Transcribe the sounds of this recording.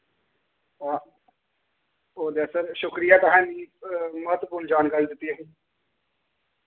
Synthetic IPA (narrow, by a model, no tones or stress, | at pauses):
aː | oːd̪esəɾʃʊkɾijaːt̪aɦɛ̃ːniːməɦət̪ːwəpʊɾnd͡ʒaːnɡaɾid̪ɪt̪ːiəɦĩː